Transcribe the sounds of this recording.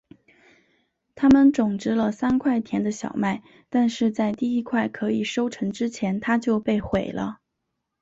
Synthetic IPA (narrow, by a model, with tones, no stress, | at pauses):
t̪ʰa˥mə˨nʈ͡ʂʊ˨˩ŋʈ͡ʂɻ̩˥lə˧sa˥nkʰwa˥˩ɪt̪ʰjɛ˧˥nd̪ə˧ɕjɑ̰˨˩ʊma˥˩ɪ | t̪a˥˧nʂɻ̩˥˧t͡sa˥˧ɪt̪i˥˧i˥kʰwa˥˩ɪkʰɤ˧˥i˨˩ʂo˥ʊʈ͡ʂʰɤ˧˥ŋʈ͡ʂɻ̩˥t͡ɕʰjɛ˧˥nt̪ʰa˥t͡ɕjo˥˧ʊpe˥˩ɪxwe˨˩ɪlʔə̰˦